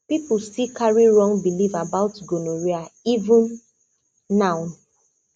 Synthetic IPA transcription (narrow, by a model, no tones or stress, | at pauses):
pipʊstikaɹiɹɔ̃ŋbilivabaʊtɡonoɹiaivʊ̃nː | ãʊn